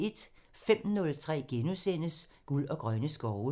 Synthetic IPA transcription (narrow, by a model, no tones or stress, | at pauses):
e̝d̥fem̰nɔ̽lt͡sʰʁɛ̰ːɡ̥enusen̰əs | ɡ̥ulɒ̽ɡ̥ʁɶnəsɡ̥ɒʊ